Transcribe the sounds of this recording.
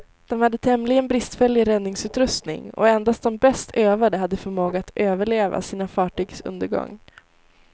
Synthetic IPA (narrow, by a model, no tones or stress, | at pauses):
d̪̥ɔmhad̪ːət̪ʰɛmlɪɡənbɾɪst̪fɛljɪɾɛd̪nɪŋsʉ̟ːt̪ɾɵst̪nɪ̰ŋɔ̰ɛnd̪ast̪̚d̪ɔmbɛst̪ʰøːvaɖ̪əɦad̪ːəfœɾmoːɡaːt̪øːvəɭeːva̰siːnafɑːʈyːɡsɵ̰nd̪əɡɔ̰ŋː